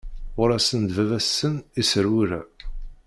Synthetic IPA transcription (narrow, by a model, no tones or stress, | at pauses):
ʊɾæsənd̪vævæsːənisəɾwuɾæ̰